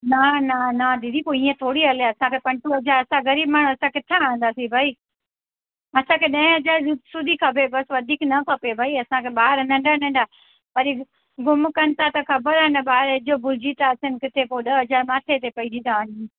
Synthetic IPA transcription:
nananaɗ̪ɪd̪ipoiiːẽt̪ʰoːɽiɐleɐsãkʰepɐ̃ɳʈoɦɐd͡ʑaɐsãɣɐɾiːb̚maːɳ̤ũɐsãkɪt̪ʰaaːɦə̃n̆d̪aːsibʱaːi | ɐsãkʰeɗɐ̃ɦɪ̃ɐzaːɾsʊd̪ʱikʰɐbʱebɐsʋɐd̪ʱiːknɐkʰɐpebʱaːiɐsãkʰeɓaːɦɪɾnɐ̃ɳɖənɐ̃ɳɖa | pɐɾi | ɡʊmkɐnɪ̆t̪ʰat̪ɐkʰɐbəɾanɐɓaːɪɾɪd͡ʑobʱʊlɪd͡ʑit̪asɪnɪ̆kɪt̪ʰepoɗɐɐzaɾmaːʈ̪ʰet̪̬epɐĩd͡ʑit̪ai

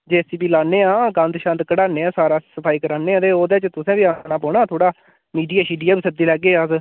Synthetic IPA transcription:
d͡ʒeːsiːbiːlaːneːãːɡə̃nd̪ʃãːnt̪kəɽaːneːãːsaːɾaːsəpʰaːiːkəɾaːneːãːd̪eːoːd̪eːt͡ʃt̪ʊsẽːbiːaːnãːpɔːɳaːt̪ʰoːɽaː | miːɖijaːʃiːɖijaːbiːsəd̪iːlɛːɡeːəs

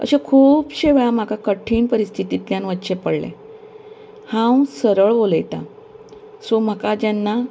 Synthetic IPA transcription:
ə̰ɕẽkʰuːpɕeʋɭam̤akakəʈʰiːɳpəɾist̪ʰit̪it̪ljanʋət̪ːɕepəɽlḛ | hãwsəɾəɭʋoljt̪a̰ | som̤akad͡ʑanːa

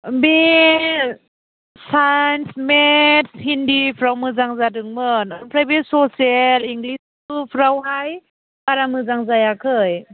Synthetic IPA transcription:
bi | sajnsmetshindipʰɾawmɯzaŋzadɯŋmɯnɔɾpʰɾajbesɔsieliŋɡlis | upʰɾawɦaj | baɾamɯzaŋzajakʰɯj

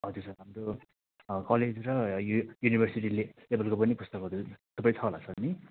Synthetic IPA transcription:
ʌd͡zosʰʌramro | kʌled͡zrʌjunibʱʌrsiʈilelebʌlkopʌnipust̪ʌkʌd̪ut̪ʌpãj̃t͡sʰʌla̰t͡sʰʌni

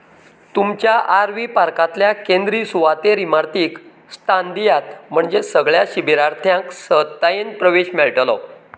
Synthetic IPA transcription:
t̪umt͡ɕjaʔaɾʋipaɾkat̪ljakend̪ɾisuʋat̪eɾimaɾt̪iːk | st̪and̪ijat̪m̤əɳd͡zesəɡɭjaɕibiɾaɾt̪ʰjãŋksət̪ːajenpɾəʋeɕmeɭʈəlɔ̰

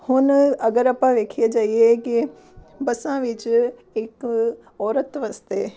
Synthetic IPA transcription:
hʊnɐɡəɾɐpãʋeːkʰijed͡ʒaːieki | bɐsãʋɪt͡ʃ | ɪk | ɔːɾət̪ʋɐst̪eː

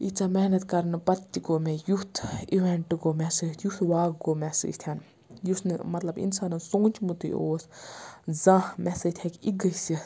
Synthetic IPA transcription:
it͡ʃaːmɛɦnɐt̪kɐɾnpɐt̪ːikomẽjut̪ʰiʋeɳʈɡoːmɛsiːt̪ʰjut̪ʋaːɡɡoːmɛsḭːd͡ʒt̪ʰjan | jusnɨmɐt̪lɐbḭnsaːnɐnsõːnt͡ʃmut̪ḭʔoːs | zãmɛset̪ʰekiɡəsi

